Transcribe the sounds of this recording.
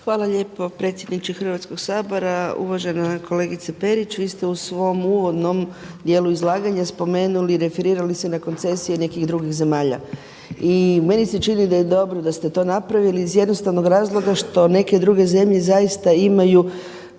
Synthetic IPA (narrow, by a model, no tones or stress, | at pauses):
xʋaːlˠaʎe̞ːpo̞pɾe̞t̪sjed̪nit͡ʃixɾr̩ʋat̪sko̞ɡsaːbo̞ɾaṵʋaʒe̞nakʰo̞le̞ɡit̪sape̞ɾit͡ʃʋiːst̪eusʋo̞muːʋo̞d̪no̞md̪je̞ːluizlˠaːɡaɲaspo̞me̞ːnuliɾe̞fe̞ɾiːɾalisenako̞nt̪se̞sijene̞kiɣd̪ɾuɡiɣze̞maːʎa̰ | ime̞niset͡ʃinid̪aje̞d̪o̞bɾod̪ast̪et̪o̞ːnapɾaʋiliːzje̞d̪no̞st̪aʋno̞ɡɾaːzlˠo̞ɡaʃt̪o̞ne̞ke̞d̪ɾuɡe̞ze̞mʎe̞zajist̪aimaju